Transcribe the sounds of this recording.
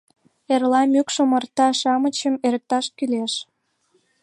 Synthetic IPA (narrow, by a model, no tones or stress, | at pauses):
erlɑmykʃəmə̆rt̪ɑʃɑmə̆t͡ɕəmeɾək̚t̪ɑʃkyleʃ